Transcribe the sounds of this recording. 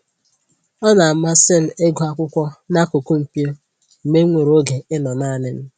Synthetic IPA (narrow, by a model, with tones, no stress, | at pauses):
ɔ˦na˨˦ma˦sɪ˦˨n̩˨e˦ɡʊ˨a˦kʷʊ˦kʷɔ˦na˦ko˨ku˦m̩˨pi˦o˦ | m̩˨me˦ŋʷe˨ɾo˦ɡe˨ɪ˦nɔ˨na˦˨nɪ˦m̩˦